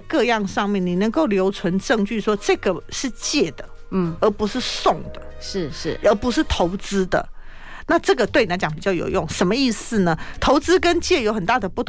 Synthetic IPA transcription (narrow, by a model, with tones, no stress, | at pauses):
kɤ˥˧jɑ˥˧ŋʂɑ˥˧ŋmjɛ˥˩ni˨˩nə˧˥ŋko˥˩ʊljo˧˥ʊt͡sʰwə˧˥nʈ͡ʂɤ˥˧ŋt͡ɕy˥˩ʂwɔ˥ʈ͡ʂɤ˥˩ɡə˩ʂɻ̩˥˧t͡ɕjɛ˥˩d̪ə˩˥˩ | ə˧˥pu˧˥ʂɻ̩˥˧sʊ˥˩ŋd̪ə̰˩ʂ̩˥˧˥ə˧˥pu˧˥ʂɻ̩˥˩t̪ʰo˧˥ʊt͡sɹ̩˥d̪ə̰˨ | na˥˧ʈ͡ʂɤ˥˩ɡə˩t̪we˥˩n˨a˧˥t͡ɕɑ˨˦ŋpi˨˩t͡ɕjɑ˥˩ʊjo̰˨˩ʊjʊ˥˩ŋʂə˧˥nmə˧i˥˧s̩˨˩nə˩t̪ʰo˧˥ʊt͡sɹ̩˥kə˦˥nt͡ɕjɛ˥˩jo˧ʊxə˨˩nt̪a˥˩d̪ə˩pu˥˩t̪ʰ